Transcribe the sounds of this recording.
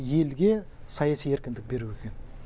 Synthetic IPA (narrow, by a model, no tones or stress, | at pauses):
je̞lɡʲe̞ | sɑjɑsije̞ɾkʲɪnd̪ɪk̚be̞ɾuekʲe̞n